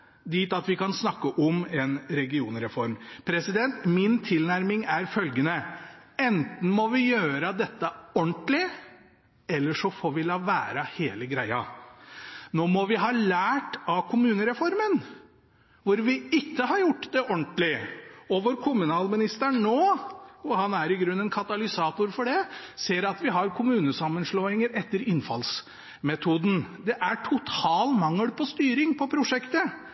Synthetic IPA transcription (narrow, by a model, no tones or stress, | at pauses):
d̪iːt̪ɑt̪ʋɪkɑnsnɑkːəʔɔmɛnɾɛɡɪuːnəɾɛfɔɾmpʰɾɛsɪd̪ɛnt̪mɪnt̪ʰɪlnæɾmɪŋæɾfœlɡənəɛnt̪n̩mɔʋɪjøːɾəd̪ɛt̪ːəɔɳnt̪lɪ | ɛlːəʂɔfoːɾʋɪlɑːʋæːɾəheːləɡɾæɪɑ | noːmɔʋɪɦɑːlæːʈɑʋkʰʊmʉːnəɾɛfɔɾmən | ʋʊɾʋɪɪt̪ːəɦɑɾjʊʈːd̪ɛʔɔɳt̪lɪɔʋoːɾkʰʊmʉnɑːlmɪnɪst̪əɳoːɔhɑnæɾɪɡɾʉnːɛnkʰɑt̪ɑlɪsɑːt̪ʊɾfɔɖɛseːɾɑt̪ʋɪɦɑɾkʰʊmʉːnəsɑmːənʂloːɪŋəɾɛt̪ːəɾɪnfɑ̰ls | mɛt̪ʰuːd̪n̩d̪ɛʔæʈʰʊt̪ʰɑːlmɑŋːəlpʰɔst̪yːɾɪŋpʰɔpʰɾʊʂɛkt̪ə